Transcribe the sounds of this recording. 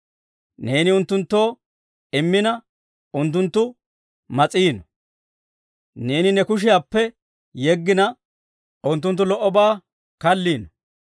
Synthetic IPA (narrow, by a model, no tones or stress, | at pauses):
ne̞ːnɪʊnt̪ːʊnt̪ːo̞ː | ɪmːɪnɐ | ʊnt̪ːʊnt̪ːʊ | mɐt͡sʼiːnɔ̥ | ne̞ːnɪnɛkʊʃ̬ɪjaːpːɛ | jɛɡːɪnɐ | ʔʊnt̪ːʊnt̪ːʊlɔʔːɔbaː | kɐlːiːnɔ̥